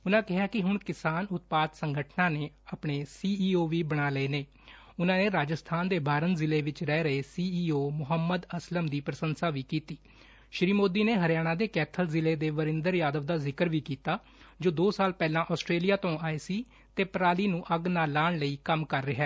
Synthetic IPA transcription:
ʊnãːkɪɦaːkɪɦʊɳkɪsaːnʊt̪̚paːd̪səŋɡəʈʰnãːneː | apɳeːsiːiːoːʋiːbəɽ̃aːləeːneː | ʊnãːneːɾaːd͡ʒəst̪ʰaːnd̪eːbʱaːɾənzɪleːʋɪt͡ʃɾɛːɾəeːsiːiːoːmʊɦəmːəd̪əsləmd̪iːpɾəsənsaːʋiːkiːt̪iː | ʃɾiːmoːd̪iːneːɦəɾjaːɽ̃ãːd̪eːkɛːt̪ʰəlzɪleːd̪eːʋəɾɪnd̪əɾjaːd̪əʋd̪aːzɪkəɾʋiːkiːt̪aː | d͡ʒoːd̪oːsaːlpɛːlãːʔɔːsʈɾeːlijaːt̪õːaːeːsiː | t̪eːpɾaːliːnũːʔəɡnaːlaːɳləiːkəmkəɾːɪɦɛː

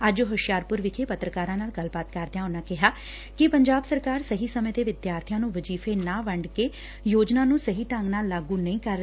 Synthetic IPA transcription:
əd͡ʒoɦʊʃjaːɾpʊɾʋɪkʰeːpət̪ɾəkaːɾãːnaːlɡəlbaːt̪kəɾd̪ejãːʊnãːkɪɦaː | kɪpəɲd͡ʒaːbsəɾkaːɾsəɦiːsəmẽːt̪eːʋɪd̪jaːɾt̪ʰijãːnũːʋəd͡ʒiːfʰeːnãːʋəɳɖkeː | joːd͡ʒnaːnũːsəɦiːʈə̃ŋɡnaːlːaːɡũːnəĩːkəɾ

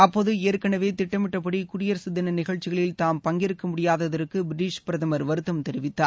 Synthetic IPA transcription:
ɐpːoːðɯeːɾkɐɳɐʋeːt̪ɪʈːɐmɪʈːɐp̬ːɐɽikʊɾɪjɐɾsɪd̪ːɐnɐnɪɣɐɭt͡ʃːɪɣɐɭɪlt̪aːmpɐŋɡɪɾɯkːɐmʊɽɪjaːðɐðɐɾɯkːɯbɾɪʈːiːʂpɪɾɐðɐmɐɾʋɐɾɯt̪ːɐmt̪ɛɾɪʋɪt̪ːaːɾ

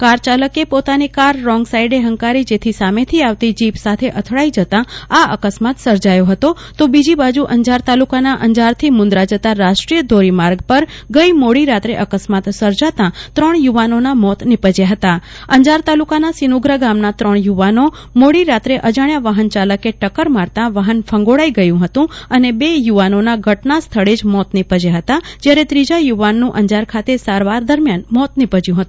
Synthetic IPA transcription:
kaɾt͡ʃaləkepot̪anikaɾːɔŋɡsaiɖeɦəŋkaɾid͡ʒet̪ʰisamet̪ʰiaʋt̪id͡ʒipsat̪ʰeʔət̪ʰɭaid͡ʒət̪ãaə̰kəsmat̪səɾd͡ʒajoɦət̪ot̪obid͡ʒibad͡ʒuʔəɲd͡ʒaɾt̪alukanaʔəɲd͡ʒaɾt̪ʰimʊ̃nd̪ɾad͡ʒət̪aɾaʃʈɾijəd̪ʱoɾimaɾɡpəɾɡəimoɽiɾat̪ɾeʔəkəsmat̪səɾd͡ʒat̪ãt̪ɾəɳjuʋanonamɔt̪nɪpəd͡ʒjaɦət̪aəɲd͡ʒaɾt̪alukanasinuɡɾəɡamnat̪ɾəɳ̃juʋano | moɽiɾat̪ɾeʔəd͡ʒaɳjaʋaɦənt͡ʃaləkeʈəkəɾmaɾt̪ãʋaɦənfʰə̃ŋɡoɽaiɡəjũɦət̪ũənebejuʋanonaɡʱəʈnast̪ʰəɭed͡ʒmɔt̪nɪpəd͡ʒeɦət̪ad͡ʒjaɾet̪ɾid͡ʒajuʋanːũʔəɲd͡ʒaɾkʰat̪esaɾʋaɾd̪əɾmjanmɔt̪nɪpəd͡ʒjũɦət̪ũ

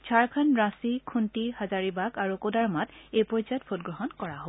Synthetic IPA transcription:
t͡ʃʰaɹkʰanɹasikʰuntihazaɹibakaɹukodaɹmatejpɔjzajɔt̚pʰotɡɹɔɦɔnkɔɹaɦob

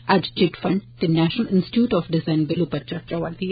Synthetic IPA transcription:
æʈt͡ʃɪʈfɐ̃ɳɖd̪̥inæʃnəlɪ̃nsʈɪ̥ʈjuːʈɔːfɖɪzãɪ̃nbɪlupɐt͡ʃət͡ʃɐʋəɾd̪i

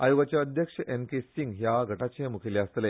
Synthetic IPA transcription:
ajuɡat͡ɕjaəd̪ʱjəkʂəʔemkesiŋɡɦjaɡʱəʈat͡ɕẽmukʰeleəst̪le

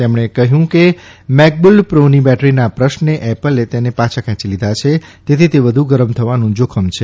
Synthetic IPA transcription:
t̪emɳ̃ekəɦjũkemɛk̚bulpɾonibɛʈɾinapɾəʃnneʔɛpəlet̪enepãt͡ʃʰakʰãt͡ʃilid̪ʱat͡ʃʰet̪et̪ʰit̪eʋəd̪ʱuɡəɾəmt̪ʰəʋanũd͡ʒokʰəmt͡ʃʰe

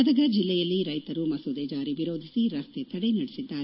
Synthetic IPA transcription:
ɐd̪ɐɡɐd͡ʒilːɛjɐlːiɾɐjt̪ɐɾumɐsuːd̪ed͡ʒaːɾiʋiɾo̞ːd̪ʱisiɾɐst̪ʰet̪ɐɽenɐɽesid̪ːaːɾe

